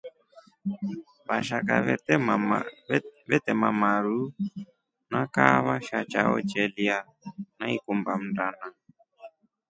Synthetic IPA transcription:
βaʃaka̰ | βɛtɛmamaɾu | nakaβaʃat͡ʃa̰ɔ̰t͡ʃɛlia | naikumbam̩dana

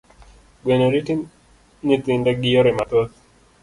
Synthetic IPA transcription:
ɡwenoɾiti | nit̪ɪndɛɡɪjoɾɛmat̪ot̪

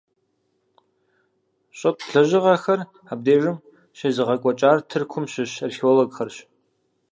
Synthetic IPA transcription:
ɕʼɐpʰɬɐʑɪʁɐxɐr | ab̚deːʒɨm | ɕeːzɨʁɐkʷʼɔt͡ʃʼaːrtʰɨrkʷʰʊmɕɪɕrxioːloɡxɐrɕ

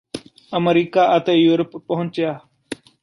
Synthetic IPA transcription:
əməɾiːkaːʔət̪eːjuːɾəpːəɦʊ̃nt͡ʃjaː

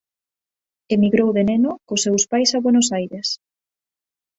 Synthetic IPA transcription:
emiɣɾowðenenokosewspajsaβwenosajɾes

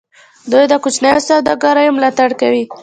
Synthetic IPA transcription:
d̪ujd̪əkut͡ʃnajosawd̪ɑɡɑɾɑjomlɑt̪aɽkawi

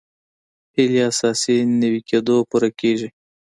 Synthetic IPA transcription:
hɪliasɑsinəwikʰed̪opuɾakeʒi

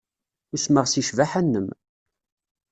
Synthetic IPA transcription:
ʊsməʁsiʃvaħænːəm

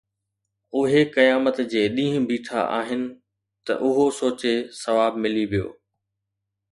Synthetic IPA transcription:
ʊɦekɐjaːmət̪d͡ʑeːɗĩːɦʊ̃bʱiːʈʰa̰ʔa̰ːɦɪnɪ̆ | t̪ɐ̰ʔʊɦosoːt͡ɕesɐʋaːbmɪliʋijo̰ː

